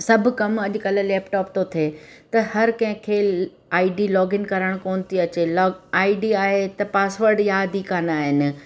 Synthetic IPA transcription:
sɐbʱʊ̆kɐmɐʄʊ̆kɐllɛːpʈɔːp̚t̪ot̪ʰeːt̪ɐhɐɾkɐ̃ɦɪ̃kʰe | aːiɖilɔːɡɪnkɐɾəɽ̃koːnɪ̆t̪ʰiɐt͡ɕelːaːiɖiaːɦet̪ɐpaːsʋəɾɖjaɐd̪ʱikaːnaːɦɪnɪ̆

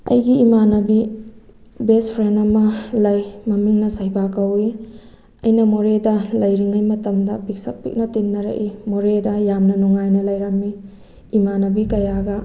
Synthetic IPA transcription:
ɐ̰jɡiːmanɐbi | bespʰɾenɐmɐlɐjmɐmiŋnɐsɐjbakɐwi | ɐ̰jnɐmoɾedɐlɐjɾiŋɐjmɐtɐmdɐbik̚sɐk̚pḭk̚nɐtinːɐɾɐ̰ʔimoɾedɐjamnɐnuŋajnɐlɐjɾɐmːiː | manɐbikɐjaɡɐ

